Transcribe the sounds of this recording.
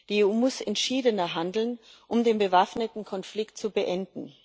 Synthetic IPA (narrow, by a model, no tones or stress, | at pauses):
d̥ieuːmʊsɛntʃiːdənɐɦandl̩n | ʔʊmdeːnbəvafnətn̩kʰɔnflɪktt͡subəʔɛndn̩